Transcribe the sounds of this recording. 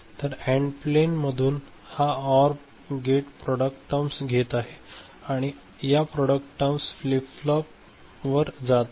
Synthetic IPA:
t̪əɾɛ̃ɳɖplenməd̪ʱuːn | haɔɾ | ɡeʈpɾɔɽək̚ʈʈəmsɡʱet̪aɦe | aɽ̃i | japɾɔɽəkʈʈːəmsflipflɔp | ʋəɾd͡zat̪

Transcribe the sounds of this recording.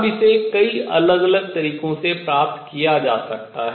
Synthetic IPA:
bʱisekɐiɐ̰ləɡɐləɡ̚t̪ɐɾiːqõsepɾaːp̚t̪kijad͡ʒaːsɐk̚tt̪aɦɛ

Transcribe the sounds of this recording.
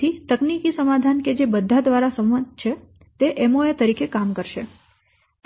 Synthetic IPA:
it̪əknikisəmad̪ʱanked͡ʒebəd̪ʱːad̪ʋaɾasəmət̪t͡ʃʰe | t̪eʔɛmoet̪əɾikekamkəɾʃe | t̪

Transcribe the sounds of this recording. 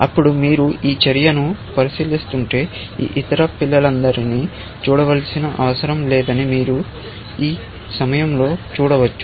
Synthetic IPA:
ɐpːuɽumiːɾuiːt͡ʃɐɾijɐnupɐɾisiːlist̪uɳʈe̞ː | ḭːʔit̪ɐɾɐpilːɐlɐnd̪ɐɾiniː | t͡ʃuːɽɐʋɐlsinɐʔɐʋɐsɐɾɐmlɛːd̪ɐnimiːɾu | iː | sɐmɐjɐmlo̞ːt͡ʃuːɽɐʋɐt͡ʃːu̥

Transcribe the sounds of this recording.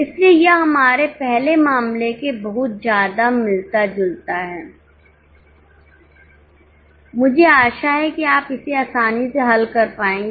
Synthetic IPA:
ɪsliejeɦɐmaːɾepɛɦlemaːmlekebɐɦʊt̪̚d͡ʒjaːd̪amɪlt̪ad͡ʒʊlt̪aɦɛː | mʊd͡ʒʱeaːʃaɦɛkiaːpɪseaːsaːniseɦɐlkɐɾpaːẽːŋɡe

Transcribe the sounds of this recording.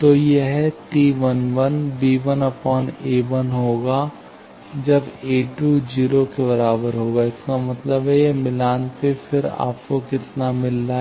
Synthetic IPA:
t̪oːjeɦɛʈiːʋənʋənbiːʋənɐpɔːneːʋənɦoːɡaː | d͡ʒɐbeːʈud͡ʒiːɾokeβɐɾaːbəɾɦoːɡaːɪskamɐt̪ləbɦɛjemɪlaːnsefʰɪɾa̰ːp̚kokɪt̪namɪlːa

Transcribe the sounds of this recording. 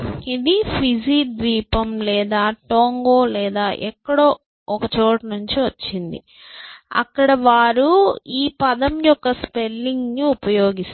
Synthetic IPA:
id̪ipʰid͡ʒiːd̪ʋiːpɐmlɛːd̪aːʈoːŋɡoːlɛːd̪aːʔɛkːɐɽoː | ɔkɐt͡ʃoːʈɐnuɲt͡ʃiʋɐt͡ʃːind̪ḭ | ɐ̰kːɐɽɐʋaːɾuiːpɐd̪ɐmjɔkːɐspelːiŋɡnuupɐjoːɡis

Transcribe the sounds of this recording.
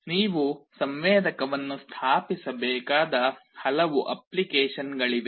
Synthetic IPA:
niːʋusɐmʋeːd̪ɐkɐʋɐnːust̪ʰaːpisɐbɛːkaːd̪ɐhɐlɐʋuʔɐplikeːʂɐnɡɐɭid̪e

